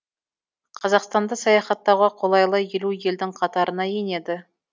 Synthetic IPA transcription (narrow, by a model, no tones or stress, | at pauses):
qʰɑzɑqst̪ɑnd̪əsɑjɑχɑt̪ːɑʁɑqʰolˠɑjlˠɑeluje̞ld̪ɪŋqʰɑt̪ɑɾʔənɑjene̞d̪ɪ